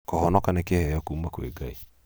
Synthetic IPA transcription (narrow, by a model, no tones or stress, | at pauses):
kɔhɔnɔkanekehɛjɔkuːmakwḛɡai